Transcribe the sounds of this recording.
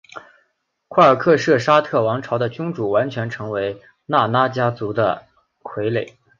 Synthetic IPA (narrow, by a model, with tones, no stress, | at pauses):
kʰwa˥˩ə˞˨˩kʰɤ˥˧ʂɤ˥˩ʂa˥t̪ʰɤ˥˩wɑ˧˥ŋʈ͡ʂʰɑ˧˥ʊd̪ə˧t͡ɕʊ˥ŋʈ͡ʂu˨˩wa˧˥nt͡ɕʰɥɛ˧˥nʈ͡ʂʰɤ˧˥ŋwe˧˥ɪ | na˥˩na˥t͡ɕja˥t͡su˧˥d̪ə̰˧ | kʰwe˧˥ɪle˨˩ɪ